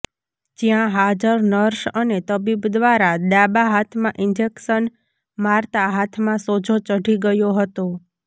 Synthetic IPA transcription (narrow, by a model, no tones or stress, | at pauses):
d͡ʒjãɦad͡ʒəɾnəɾʃənet̪əbibd̪ʋaɾad̪abaɦat̪ʰmãʔɪnd͡ʒekʃən | maɾt̪aɦat̪ʰmãsod͡ʒot͡ʃəɖʱiɡəjoɦət̪o